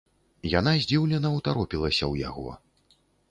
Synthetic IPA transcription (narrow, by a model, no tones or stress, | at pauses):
janazʲd͡zʲiwlʲɛnɐwt̪aɾɔpʲilˠɐsʲɐwja̰ɣɔ̰